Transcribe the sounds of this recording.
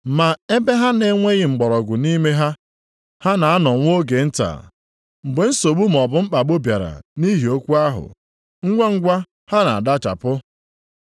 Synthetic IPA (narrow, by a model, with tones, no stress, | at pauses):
ma˨e˦be˦ɦa˦ne˦ŋʷe˦ɣɪ˨ŋ͡m̩˨ɡ͡bɔ˨ɾɔ˨ɡʷʊ˨ni˦me˦ɦa˦ | ha˦na˨a˦nɔ˨ŋʷ˦o˦ɡe˨n̩˦ta̰˨ | ŋ͡m̩˨ɡ͡be˨n̩˦so˨ɡ͡bu˦m̩˨ɔ˨bʊ˦ŋ͡m̩˦k͡pa˨ɓʊ˦bja˨ɾa̰˨ni˦ɦi˨o˦kʷu˦a˦ɦʊ̰˨ | ŋ̩˦ɡʷa˦ŋ̩˦ɡʷa˦ | ha˦na˨a̰˨da˦t͡ʃa̰˨pʊ˦